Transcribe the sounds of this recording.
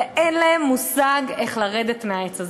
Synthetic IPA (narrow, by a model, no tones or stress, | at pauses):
ʔenlaemːusaɡeχlaʁed̪etmeaet͡saz